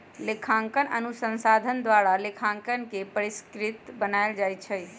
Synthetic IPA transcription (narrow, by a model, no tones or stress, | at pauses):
lekʰãŋkənənusə̃nsad̪ʱənd̪ʋaɾalekʰãŋkənkepəɾiskɾit̪bənajld͡ʒajt͡ʃʰəj